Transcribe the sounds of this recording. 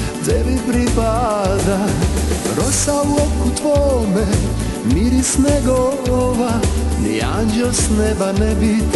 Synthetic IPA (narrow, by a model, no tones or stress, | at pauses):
d͡zɛvipɾipad̪a | ɾɔsauɔkːut̪vɔmɛ | miɾisnɛɡɔɔva | nḭa̰nd͡ʒɔsnɛbanɛbit